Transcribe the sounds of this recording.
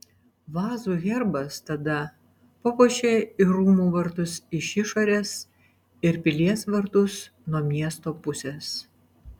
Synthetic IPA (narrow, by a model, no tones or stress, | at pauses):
ʋɑːzuːɣʲɛɾbɐst̪ɐd̪ɐ | pɔpoːʃʲeːɪɾuːmuːʋɐɾt̪ʊsɪʃɪʃoːɾʲeːs | ɪɾpʲɪlʲiɛsʋɐɾt̪ʊs | nuɔmʲiɛst̪oːpʊsʲes